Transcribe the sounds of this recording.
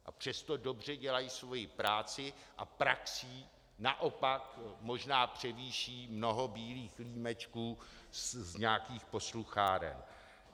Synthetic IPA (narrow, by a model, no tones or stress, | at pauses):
ʔa̰pr̝̥ɛst̪o̞do̞br̝ɛɟɛlajisvo̞jɪpɾaːt͡sɪʔapɾaksiː | naʔo̞pakmo̞ʒnaːpr̝̥ɛviːʃiːmno̞ɦo̞biːliːxliːmɛt͡ʃkuː | zɲaːkiːxpo̞sluxaːɾɛ̰n